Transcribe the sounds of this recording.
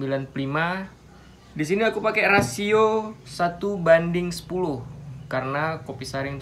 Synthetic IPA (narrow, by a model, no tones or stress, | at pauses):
bilanplima | dis̬iniakupakɛrasiosat̪ubandɪŋsə̥pulʊhkaɾənakopisaɾɪŋ